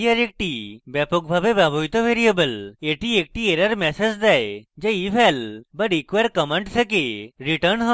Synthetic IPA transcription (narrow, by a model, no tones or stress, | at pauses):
ɐɾek̚ʈibɛpok̚bʱabebabʱojt̪oʋeɾijəbəleʈiek̚ʈieɾəɾmɛsed͡ʒd̪ɛjd͡ʒeibʱɛlbəʈikʋeɾkəmə̃ɳʈsʰekeɾiʈəɾnɦə